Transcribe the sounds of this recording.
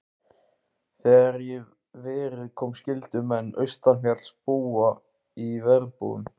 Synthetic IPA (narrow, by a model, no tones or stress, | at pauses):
θɛaɾjɛ | vɪːɾɪðkʰɔwmscɪlt̪ʏmɛnːœ̰ɥst̪anfjat̪lspuːa | ivɛɾpṵʏ̰m